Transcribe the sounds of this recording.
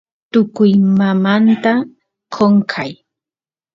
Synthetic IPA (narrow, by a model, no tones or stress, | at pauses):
t̪ʊkʊjmamant̪a | kʰoŋkʰaj